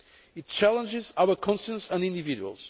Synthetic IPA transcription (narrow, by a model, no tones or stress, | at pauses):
it̚t͡ʃælˠə̃nd͡ʒɪzaʊəkʰɔ̃nʃə̃ntsə̃nĩndɨviduə̰lˠz̥